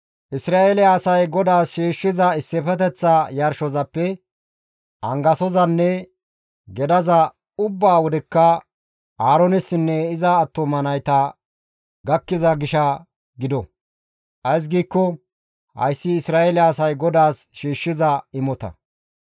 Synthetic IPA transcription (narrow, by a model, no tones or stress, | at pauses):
ʔɪsɾaːɛlɪɐːsɐjɡɔd̪aːsʃiːʃːɪzɐɪsːɛfɛt̪ɛt͡sːɐjɐɾʃɔzɐpːɛ | ʔɐŋɡɐsɔzɐnːɛ | ɡɛd̪ɐzɐ | ʊbːaːwɔd̪ɛkːɐ | aːɾɔnɪsːɪnːɛɪzɐːt̪ːɔmɐnɐjt̪ɐ | ɡɐkːɪzɐɡɪʃɐ | ɡɪd̪ɔ | ʔɐjs̬ɡiːkːɔ | hɐ̰jsːɪːsɾaːʔɛlɪaːsɐjɡɔd̪aːsʃiːʃːɪzɐɪmɔt̪ɐ̰